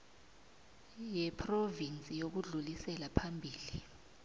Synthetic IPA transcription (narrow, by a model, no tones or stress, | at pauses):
jɛpʰrovint͡sʼijok̬uɮulisɛlapʰambʱiːli